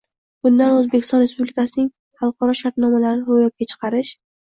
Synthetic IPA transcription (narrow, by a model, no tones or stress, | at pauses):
b̥ʊnd̪anɵzbekʲɪ̥st̪ɒnɾespublɪkʲasɪnɪŋ | χɑlˠqʰɑɾɒʃaɾt̪nɒmalaɾnɪɾojɒp̚kʲat͡ʃʰɨ̥qʰɑɾɪʃ